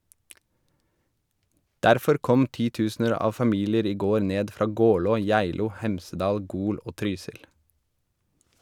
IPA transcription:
ˈdæɾfɔɾ ˈkɔm ˈtiːˌtʉːsn̩əɾ ˈɑːʋ fɑˈmiːlɪəɾ ˈiː ˈɡoːɾ ˈneːd ˈfɾɑː ˈɡɔlɔ ˈjæɪluː ˈhɛmsəˌdɑːl ˈɡuːl ˈoː ˈtɾyːsɪl

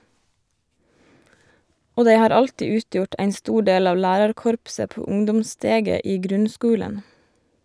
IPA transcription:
ˈoː ˈdæɪ ˈhɑːɾ ˈɑltiː ˈʉːˌtjʊʈ ˈæɪn ˈstuː ˈɖeːl ˈɑːʋ ˈlæːɾɑɾˌkɔɾpsə ˈpuː ˈʊŋdʊmˌsteːɡə ˈiː ˈɡɾʉnˌskʉːlən

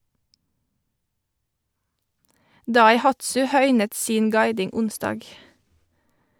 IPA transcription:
dɑɪˈhɑtsʉ ˈhœʏnət ˈsiːn ˈɡɑɪdɪŋ ˈʊnsdɑːɡ

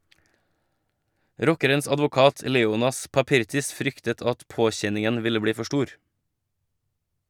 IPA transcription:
ˈɾɔkəɾəns ɑdʋʊˈkɑːt ə ˈleːʊnɑs pɑˈpɪɾtɪs ˈfɾʏktət ˈɑt ˈpoːˌçɛnɪŋən ˈʋɪlə ˈbɽiː ˈfɔ ˈʃʈuːɾ

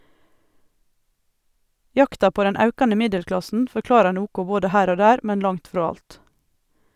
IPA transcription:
ˈjɑktɑ ˈpoː ˈdɛn ˈɑʉkɑnə ˈmɪdɛlˌklɑsn̩ fɔɾˈklɑːɾɑɾ ˈnuːkʊ ˈboːdə ˈhæːɾ ˈoː ˈdæːɾ ˈmɛn ˈlɑŋt ˈfɾɔ ˈɑlt

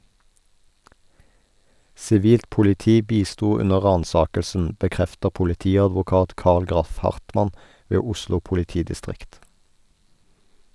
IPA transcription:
sɪˈʋiːlt pʊlɪˈtiː ˈbiːˌstuː ˈʉnə ˈʁɑːnˌsɑːkəlsn̩ bəˈkʁɛftəʁ pʊlɪˈtiːɑdʋʊˌkɑːt ˈkɑʁl ˈɡʁɑf ˈhɑʁtˌmɑn ˈʋeː ˈʊʃlʊ pʊlɪˈtiːdɪˌstʁɪkt

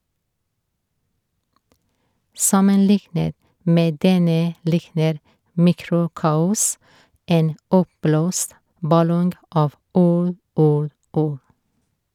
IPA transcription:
ˈsɑmənˌlɪknət ˈmeː ˈdɛnə ˈlɪknəɾ ˈmiːˌkɾʊˌkɑːʊs ˈeːn ˈɔpˌbloːst bɑˈlɔŋɡ ˈɑːʋ ˈuːɽ ˈuːɽ ˈuːɽ

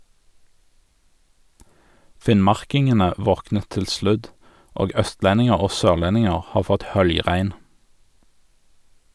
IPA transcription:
ˈfɪnˌmɑʁkɪŋənə ˈʋɔknə ˈtɪl ˈslʉd ˈoːɡ ˈœstˌlɛnɪŋəʁ ˈoː ˈsøːʁˌlɛnɪŋəʁ ˈhɑːʁ ˈfɔt ˈhœljˌʁæɪn

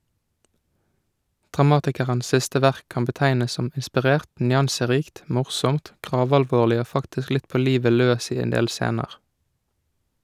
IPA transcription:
dʁɑˈmɑːtɪkəʁəns ˈsɪstə ˈʋæʁk ˈkɑːm bəˈtæɪnəs ˈsɔm ɪnspɪˈʁeːʁt ˈnjɑnsəˌʁiːkt ˈmʊʁsɔmt ˈɡʁɑːʋɑlˌʋoːlɪ ˈoː ˈfɑktɪsk ˈlɪt ˈpoː ˈliːʋə ˈløːs ˈiː ˈeːn ˈdeːl ˈseːnəʁ

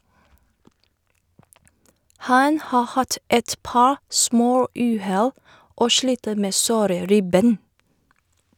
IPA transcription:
ˈhɑn ˈhɑː ˈhɑt ˈɛt ˈpɑːɹ ˈsmoːˌʉːˌhɛl ˈoː ˈʃliːtə ˈmeː ˈsoːɾə ˈɾɪˌbeːn

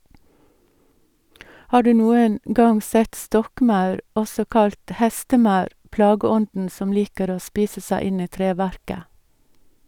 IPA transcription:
ˈhɑː ˈɖʉː ˈnuːən ˈɡɑŋ ˈsɛt ˈstɔkˌmɑʉɾ ˈɔsɔ ˈkɑlt ˈhɛstəˌmɑʉɾ ˈplɑːɡəˌɔndn̩ ˈsɔm ˈliːkəɾ ˈoː ˈspiːsə ˈsæɪ ˈɪn ˈiː ˈtɾeːˌʋæɾkə

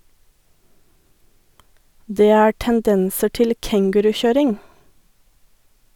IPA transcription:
ˈdeː ˈæː ʈənˈdɛnsə ˈʈɪl ˈkɛŋɡʉɾʉˌçøːɾɪŋ

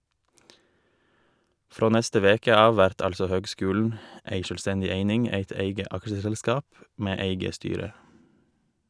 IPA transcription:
ˈfɾoː ˈnɛstə ˈʋeːkə ˈɑːʋ ˈʋæɾt ˈɑʎsɔ ˈhøːɡˌskʉːln̩ ˈeɪ ˈʃøːlˌstɛɲɟɪ ˈeɪnɪŋ ˈeɪt ˈeɪɡə ˈɑkʃəsɛlˌskɑːp ˈmeː ˈeɪɡə ˈstyːɾə

